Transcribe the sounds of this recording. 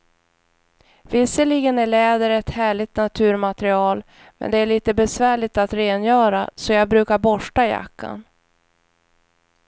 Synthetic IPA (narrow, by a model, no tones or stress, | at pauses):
vɪsːəɭiːɡənæɭɛːd̪əɾɛt̪hæːɭɪɡ̚t̪nat̪ʰʉ̟ːɾmat̪ɾɪɑːl | mʔɛ̰nd̪ɛæɭiːt̪əbɛsvæːɭɪɡ̚t̪at̪ɾeːnjœːɾasɔjɑːɡ̚bɾʉ̟ːkaɾbɔʂʈaja̰kʰːa̰n